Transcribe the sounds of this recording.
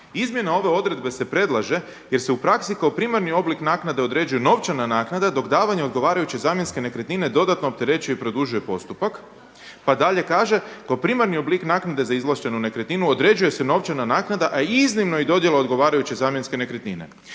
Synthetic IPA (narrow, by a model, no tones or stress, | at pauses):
izmjenao̞ʋe̞o̞d̪ɾe̞d̪be̞se̞pɾe̞d̪lˠaʒe̞ | je̞ɾse̞upɾaksikaopɾiːmaɾnio̞bliknaːknad̪e̞o̞d̪ɾe̞d͡ʒujeno̞ʋt͡ʃananaːknad̪ad̪o̞kd̪aːʋaɲeo̞d̪ɡo̞ʋaːɾajut͡ɕe̞zaːmje̞nske̞ne̞kɾet̪nine̞d̪o̞d̪at̪no̞op̚t̪e̞ɾe̞t͡ʃuje̞ipɾo̞d̪uʒuje̞po̞st̪upak | pad̪aʎe̞kaːʒe̞kaopɾimaɾnio̞bliknaːknad̪e̞zaizlˠaʃt̪e̞nune̞kɾet̪ninuod̪ɾe̞d͡ʒuje̞se̞no̞ʋt͡ʃananaːknad̪aʔaiznimnoid̪o̞d̪je̞laod̪ɡo̞ʋaːɾajut͡ɕe̞zaːmje̞nske̞ne̞kɾet̪nine̞̰